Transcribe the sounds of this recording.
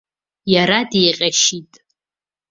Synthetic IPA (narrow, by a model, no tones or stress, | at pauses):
jaɾadejqʲʼaʃitʼ